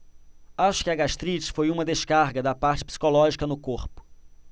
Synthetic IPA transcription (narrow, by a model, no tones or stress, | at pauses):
aʃʊ̥kɪɐɡaʃt̪ɾit͡ʃɪ̥fojũmɐd̪eʃkaɾɡɐd̪ɐpaɾt͡ʃɪ̥psi̥kolɔʒikɐnʊkoɾpʊ̥